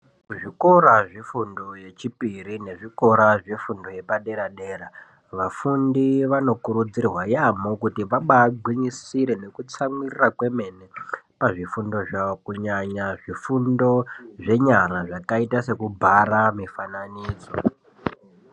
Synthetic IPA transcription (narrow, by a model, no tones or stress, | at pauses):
ʐiko̞ɾaʐifundoje̞t͡ʃipiɾine̞ʐiko̞ɾaʐefundo̞je̞paɗe̞ɾaɗe̞ːɾa | ʋafundiʋano̞kuɾud͡zirwajamokutiʋaɓaɡʱwiɲisiɾe̞ne̞kut͡samirirakwe̞me̞nepaʐifundo̞ʐaokuɲaɲaʐifundo̞ʐe̞ɲaɾaʐakaitase̞kubʱaramifananiːd͡zo̞̰